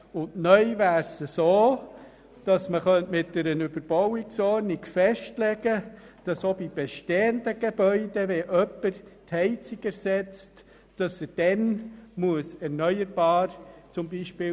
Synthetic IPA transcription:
ʊntnœʏvæːɾsəsoː | d̥ɑsməχœntmɪt̚d̥ɛɾənʉbəɾb̥ɔwiksɔɾnikfɛʃtlɛɡə | d̥ɑsobib̥eʃteːəndəɡ̥eb̥œʏd̥ɛʋɛʔœpːəɾthɛɪt͡siɡɛɾsɛt͡st | d̥ɑsəd̥ɛnmuəsɛɾnœʏəɾb̥ɑːɾt͡sʊmbiʃpɪː

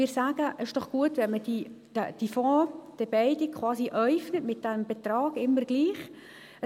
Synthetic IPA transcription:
ɪːsaːɡ̥əʔəʃd̥ɔχɡ̥uətʋɛnmədi | d̥əd̥ifɔ̃ːd̥ɛbɛɪdikʰːʋɑːsiʔœʏfnətmɪt̚d̥ɛmb̥ɛt̪rɑːɡɪmːərɡ̥liːχ

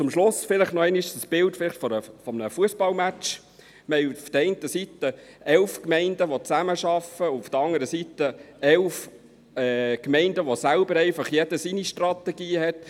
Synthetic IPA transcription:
t͡sʊmʃlʊsfɪləχnɔɛɪniʃəsb̥ɪltfɪlɪχtfɔɾəfɔmənəfuəsbɑlmæt͡ʃ | mɛɪufd̥̪əɾɛɪntəsit̪ə | ɛlfkmɛɪndəʋot͡sæməʃɑfəufd̥̪əɾɑŋəɾəsit̪əɛlf | ɛːkmɛɪndəʋosælbəɾɛɪfɑχjɛd̥əsiniʃtrɑt̪ɛɡ̥iːɦhɛt̪

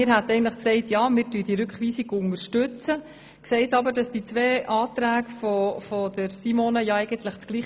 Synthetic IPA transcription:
ɪːɾɦæt̪ɛɪɡntləχksɛɪtjɑːmɪːɾtyːd̥iɾʉkχʋiːsiɡʊŋəɾʃtʉt͡sə | ksɛɪsɑbəɾd̥ɑsd̥it͡sʋeːʔɑːt̪ɾæːɡfɔfɔd̥əɾsimoːnəjɑɛɪɡəntləχt͡sɡ̥liː

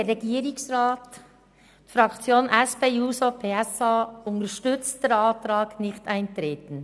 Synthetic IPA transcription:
eɾːɛɡiːɾɪsɾaːt | fɾɑkt͡sjoːnʔɛspeːuːsopʰeːɛsaːʊntəʃtʏt͡st̚d̥eɾɑːt̪ɾɑːɡnɪçtaɪntɾeːtn̩

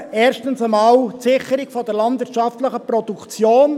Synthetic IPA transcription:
ɛːɾʃtənsəmɑːltsɪχəɾiɡ̥fɔd̥əɾlɑndʋɪɾtʃɑftləχəpɾɔd̥ukt͡sjoːn

